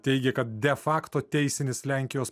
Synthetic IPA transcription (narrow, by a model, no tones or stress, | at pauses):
t̪ʲɛɪɡʲɛkɐt̪̚d̪ʲɛfɑːkt̪oːt̪ʲɛɪsʲɪnʲɪslʲæˑŋʲkʲɪjoːs